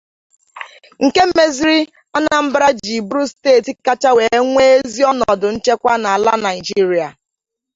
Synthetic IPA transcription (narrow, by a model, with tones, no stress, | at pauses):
ŋ̩˨ke˦m̩˦me˦zi˦ɾi˦ | a˦na˨m̩˦bɾa˦d͡ʒi˨bu˦ɾu˦steː˦˨ti˨ka˦t͡ʃa˦we˨e˦ŋʷe˦e˦zi˦ɔ˦nɔ˨dʊ˨n̩˦t͡ʃe˦kʷa˦na˨a˨la˦na˨ɪ˨d͡ʒi˦ɾi˨a˨